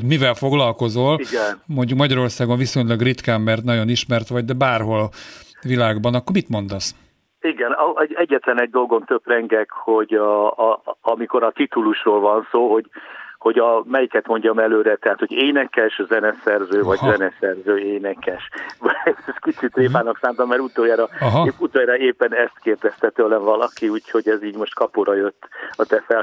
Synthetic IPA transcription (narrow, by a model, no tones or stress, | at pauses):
mivɛlfo̞ɡlɒlko̞zoliɡɛnmo̞ɲɟukmɒɟɒɾo̞rsaːɡoɱviso̞ɲlɒɡrit̪kaːmːɛrt̪nɒɟoniʃmɛrt̪ʋɒɟ̚d̪ɛbaːrɦo̞l | ʋilaːɡbɒnɒkːormit̪mo̞nd̪ɒs | iɡɛnɒɛɟɛɟːɛt̪lɛnɛɟ̚d̪o̞lɡo̞nt̪øb̥rɛŋɡɛkho̞ɟ | ɒmiko̞ɾɒt̪it̪uluʃroːlvɒnsoːɦo̞ɟho̞ɟɒmɛjikɛt̪mo̞ɲɟɒmɛløːɾɛt̪ɛɦaːt̪hoɟeːnɛkɛʃzɛnɛsɛrzøːvɒɟzɛnɛsɛrzøːeːnɛkɛʃ | ɛskit͡ʃit̪reːpaːnoksaːmt̪ɒmmɛɾut̪oːjaːɾɒɦut̪oːjɾɒeːpːɛnɛst̪keːrd̪ɛst̪ɛt̪ølɛɱvɒlɒkiuːcho̞ɟɛziːɟmo̞ʃt̪kɒpoɾɒjøt̪ːɒt̪ɛfɛl